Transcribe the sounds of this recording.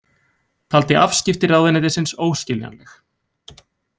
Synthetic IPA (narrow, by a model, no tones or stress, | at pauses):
t̪ʰalt̪ɪʔa̰fscɪft̪ɪɾaðvɛnɪðɪsɪnsoːwscɪlja̰nlɛx